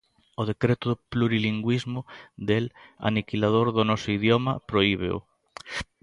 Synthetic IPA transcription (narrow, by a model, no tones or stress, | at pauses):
ʊð̞ekɾet̪ʊðʊpluɾiliŋɡwizmʊd̪ela̰nikilað̞oɾðʊnɔsʊiðjomɐpɾoiβ̞ḛʊ̰